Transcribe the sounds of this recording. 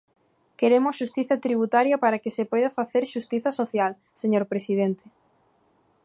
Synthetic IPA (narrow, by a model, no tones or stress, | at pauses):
keɾemʊsʃust̪iθɐt̪ɾiβ̞ut̪aɾjɐpaɾɐkɪsepɔjðɐfaθeɾʃust̪iθɐsoθjal | seɲoɾpɾesið̞ent̪ɪ̥